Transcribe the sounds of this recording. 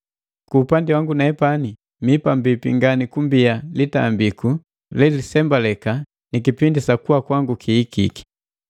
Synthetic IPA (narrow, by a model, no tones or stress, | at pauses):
kuːpandiwaŋɡunaɛpani | mipambipiŋɡanikumbialita̰mbiku | lɛlisɛmbalɛka | nikipindisakuwakwaŋɡukʰiːkḭki̥